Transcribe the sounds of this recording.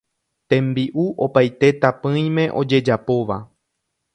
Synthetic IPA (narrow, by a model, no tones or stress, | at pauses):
t̪ẽ̞mbiʔuʔo̞pajt̪e̞t̪apɨ̃j̃mẽ̞ʔo̞d͡ʒe̞d͡ʒapo̞ʋa